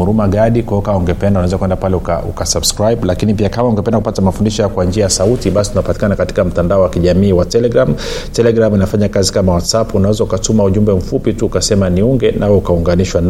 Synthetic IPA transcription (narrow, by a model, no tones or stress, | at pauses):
uɾumaɠaɗikwɔkauŋɡɛpɛndaunawɛzakwɛndapalɛuka̰ṵkasabskɾajɓlakinipiakamauŋɡɛpɛndakupatamafundiʃɔjakwand͡ʒiajasautiɓasi̥tunapati̥kanakati̥kam̩tandaɔwakiʄamiːwatɛlɛɡɾam | tɛlɛɡɾaminafaɲakazikamawatsapunawɛzaukatumauʄumbɛm̩fupituːkasɛmaniuŋɡɛnʔawɛukauŋɡaniʃwan